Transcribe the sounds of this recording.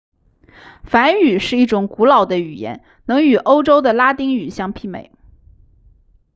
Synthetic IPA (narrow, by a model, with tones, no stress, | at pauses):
fa˧˥ny˨˩ʂɻ̩˥˧i˥˩ʈ͡ʂʊ˨˩ŋku˧˥lɑ˨˩ʊd̪ə˦y˨˩jɛ̰˧˥n | nɤ˧˥ŋy˨˩ʔo˥ʊʈ͡ʂo˥ʊd̪ə˨la˥t̪i˥ŋy˨˩ɕjɑ˥ŋpʰi˥˩mḛ˨˩ɪ